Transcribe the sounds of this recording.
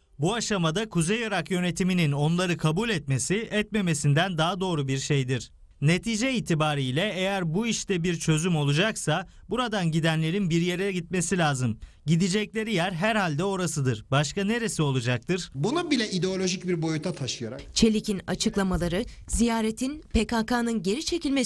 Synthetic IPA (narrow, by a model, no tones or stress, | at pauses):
buaʃamad̪akʰuzejoɾakjø̞ne̞t̪ʰiminino̞nlˠaɾɯkʰabulʲɛt̪me̞siɛt̪me̞me̞sind̪ænd̪aɦad̪o̞ːɾubiɾʃejd̪iɾ̥ | ne̞t̪ʰiːd͡ʒɛiːt̪ʰibaːɾiːlʲɛejæɾbuiʃt̪ʰɛbiɾt͡ʃʰø̞zymo̞lˠud͡ʒaksabuɾad̪anɟid̪ænlʲe̞ɾinbiɾje̞ɾɛɟit̪̚me̞silʲaːzɯm | ɟid̪id͡ʒɛclʲe̞ɾijæɾɦæɾhalʲd̪ɛo̞ɾasɯd̪ɯɾ̥baʃkane̞ɾesio̞lˠud͡ʒak̚t̪ʰɯɾ̥bunubilʲɛʔid̪eo̞lʲo̞ʒicbiɾbo̞jut̪ʰat̪ʰaʃɯjaɾa̰t͡ʃʰe̞lʲicina̰t͡ʃʰɯklˠamalˠaɾɯzijaːɾet̪ʰinpʰekakaːnɯnɟe̞ɾit͡ʃʰe̞cilʲme